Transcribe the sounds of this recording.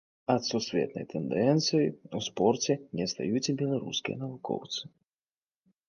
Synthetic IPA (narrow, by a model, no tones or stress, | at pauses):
ɐt̪susʲvʲɛ̰t̪nɐ̰jt̪ɛnd̪ɛnt̪sɨjiuspɔrt͡sʲɛnʲɛst̪a̰jut͡sʲbʲɛlˠaɾṵskʲijɐ̰nɐvukɔ̰wt̪sɨ̥